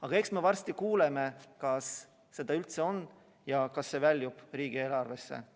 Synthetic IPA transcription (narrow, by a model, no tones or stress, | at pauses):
ɑɡ̥ɑe̞ksme̞vɑrst̪ikuːleme̞kɑsː | e̞d̪̥ɑylt̪se̞o̞nː | jɑkɑsːe̞vælʲjub̥riːɡ̥ielɑrve̞sːḛ